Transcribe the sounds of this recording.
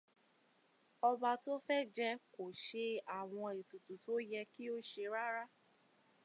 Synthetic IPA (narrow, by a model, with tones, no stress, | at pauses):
ɔ˧ba˧to˦fɛ˦d͡ʒɛ˦ko˨ʃe˧a˨w̃ɔ̃˧e˨tu˨tu˨to˨˦jɛ˧ki˦o˦ʃe˧ɾa˦ɾa˦